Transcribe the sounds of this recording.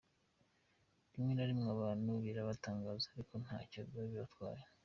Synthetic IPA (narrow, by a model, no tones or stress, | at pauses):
βimŋenaɾimŋaβaːnuβiɾaβataːŋɡaːzaaɾiko̞n̥ha̰ːcaβɡaβiβatkwa̰ːɾe